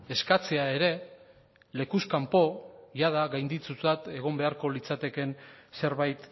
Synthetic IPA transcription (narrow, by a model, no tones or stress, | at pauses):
e̞skat͡se̞ae̞ɾe̞ | le̞kuskampo̞ʝað̞aɣajnd̪it͡sut͡sat̪e̞ɣ̞o̞mbe̞aɾko̞lit͡sat̪e̞ke̞nse̞ɾβajt̪